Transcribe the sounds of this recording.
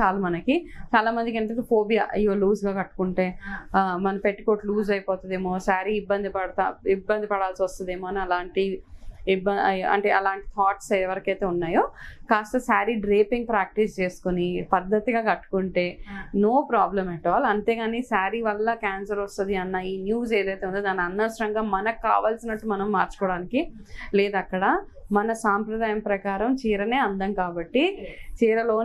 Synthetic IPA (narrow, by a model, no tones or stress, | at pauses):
aːlumɐnɐkit͡ʃaːlaːmɐnd̪ikɐnt̪ɐt̪poːbija̰ːʔɐjoːluːsɡaːkɐʈːu̥kuɳʈe̞ːmɐnɐpeʈːiko̞ːʈluːd͡ʒɐjpɔːt̪und̪eːmoːsaːɾiibːɐnd̪ipɐɽɐt̪aibːɐnd̪ipɐɽaːlsiʋɐst̪und̪eːmoːɐniɐlaːɳʈi | bɐɐ̰ɳʈeːɐlaːɳʈi̥t̪ʰaːʈsɛʋɐɾɐkɐjt̪e̞ːunːaːjoːkaːst̪ɐsaːɾiɖɾeːpiŋɡ̚pɾaːk̚ʈist͡ʃe̞ːsu̥konipɐd̪ːɐt̪iɡaːkɐʈːu̥kuɳʈe̞ːno̞ːpɾaːblɐmɛʈːɐʋaːlɐɐnt̪e̞ːɡaːniːsaːɾiʋɐlːɐkaːnsɐɾɐst̪ɐd̪iɐnːaiːnjuːzeːd̪ɐjt̪eund̪oːd̪aːniɐnːɐsɐɾɐŋɡaːmɐnɐkːa̰ːʋaːlsinɐʈːumɐnɐmːaːɾt͡ʃu̥kɔːɽaːniki | lɛːd̪ɐkːɐɽɐ | mɐnɐsaːmpɾɐd̪aːjɐmpɾɐkaːɾɐmt͡ʃiːɾɐne̞ːɐnd̪ɐmkaːbɐʈːit͡ʃiːɾɐlo̞ː